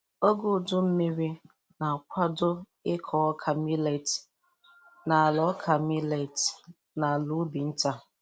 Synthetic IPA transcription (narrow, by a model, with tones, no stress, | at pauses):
o˦ɡʊ˦˨dʊ˦m̩˦me˦ɾi˦ | na˨kʷa˦dʊ˦ | ɪ˦kʰɔ˨ɔ˦kʰa˨mi˦le˨t | na˨a˨lɔ˦kʰa˨mi˦le˨t | na˨a˨lʊ˨˦bi˨n̩˦ta˦